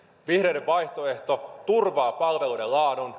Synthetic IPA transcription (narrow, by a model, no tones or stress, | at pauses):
ʋihɾe̞jdeʋʋɑjht̪o̞e̞ht̪ot̪urʋɑːpɑlʋe̞lujdelɑːdon